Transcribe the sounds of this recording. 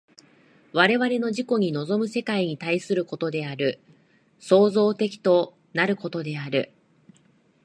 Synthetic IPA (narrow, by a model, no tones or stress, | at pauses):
βaɾe̞βaɾe̞no̞ʑiko̞ɲ̟ino̞zo̞mɯ̟se̞kaiɲ̟it̪aisɨɾɯ̟ko̞t̪o̞d̪e̞aɾɯ̟ | so̞ːzo̞ːt̪e̞kʲi̥t̪o̞ | naɾɯ̟ko̞t̪o̞d̪e̞aɾɯ̟̰